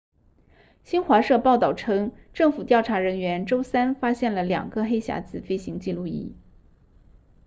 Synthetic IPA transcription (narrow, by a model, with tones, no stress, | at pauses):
ɕi˥nxwa˧˥ʂɤ˥˧pɑ˥˧ʊt̪ɑ˥˩ʊʈ͡ʂʰɤ˥ŋ | ʈ͡ʂɤ˥˩ŋfu˨˩t̪jɑ˥˩ʊʈ͡ʂʰa˧˥ɻə˧˥nɥɛ˧˥nʈ͡ʂo˥ʊsa˥nfa˥ɕjɛ˥˩nlə˩ljɑ̰˨˩ŋɡə˧xe˥ɪɕja̰˧˥t͡sɹ̩˨˩fe˥ɪɕi˧˥ŋt͡ɕi˥˧lu˥˧ḭ˧˥˩